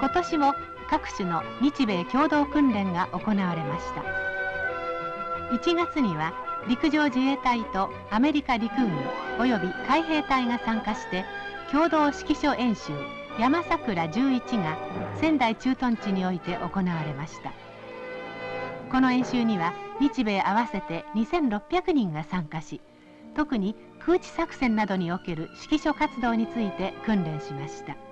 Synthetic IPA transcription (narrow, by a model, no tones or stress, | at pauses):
ko̞t̪o̞ɕimo̞ | kakɯ̟̥ɕɨno̞ | ɲ̟it͡ɕibe̞ːkʲo̞ːd̪o̞ːkɯ̟̃nɾẽ̞ŋɡaʔo̞ko̞naβaɾe̞maɕi̥t̪a̰ | it͡ɕiɡat͡sɨɲ̟iβaɾʲikɯ̟ʑo̞ːd͡ʑie̞ːt̪ait̪o̞ | ame̞ɾʲikaɾʲikɯ̟ɲio̞jo̞bʲikaiɦe̞ːt̪aiŋasãŋkaɕi̥t̪e̞ | kʲo̞ːd̪o̞ːɕi̥kʲiɕo̞ʔẽ̞ɰ̃ɕɨːjamasakɯ̟ɾad͡ʑɨːit͡ɕiŋasẽ̞nd̪ait͡ɕɨːt̪õ̞ɲ̟t͡ɕiɲ̟io̞it̪e̞ʔo̞ko̞naβaɾe̞maɕi̥t̪a̰ | ko̞no̞ẽ̞ɰ̃ɕɨːɲ̟iβaɲʲit͡ɕibe̞ːʔaβase̞t̪e̞ɲ̟isẽ̞nɾo̞pʲːjakɯ̟ɲ̟ĩŋɡasãŋkaɕi | t̪o̞kɯ̟ɲ̟i | kʰɯ̟ːt͡ɕi̥sakɯ̟̥sẽ̞nːad̪o̞ɲ̟io̞ke̞ɾɯ̟ɕi̥kʲiɕo̞kat͡sɨd̪o̞ːɲ̟it͡sɨit̪e̞kɯ̟̃nɾẽ̞ɰ̃ɕimaɕi̥t̪a